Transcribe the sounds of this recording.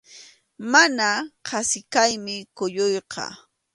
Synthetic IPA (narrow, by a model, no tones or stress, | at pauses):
manaqʰɑsɪkajmɪkʊʎojqɑ̰